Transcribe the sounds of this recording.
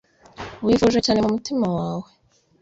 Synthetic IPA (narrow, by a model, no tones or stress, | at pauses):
βwifuʒwet͡ʃaːne̞mumutimawaːwe